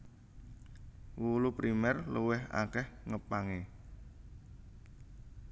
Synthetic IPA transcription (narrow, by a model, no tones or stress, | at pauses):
wulupɾimɛrluwɪha̰kɛhŋəpaŋe